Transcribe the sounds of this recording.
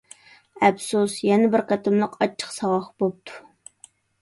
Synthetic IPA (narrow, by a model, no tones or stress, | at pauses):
ɛbsusjɛnɪbɪɾqʰɑt̪ʰɪmlˠəqʰɑt͡ʃʰːə̥qsɑwɑχbop̚t̪ʰu̥